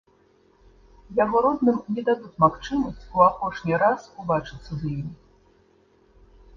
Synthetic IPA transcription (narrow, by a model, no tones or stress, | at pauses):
jaɣɔɾɔd̪nɨmnʲɛd̪ad̪ut͡sʲmaxt͡ʂɨmɐsʲt͡sʲuapɔʂnʲiɾasubat͡ʂɨt̪sːɐzjimʲ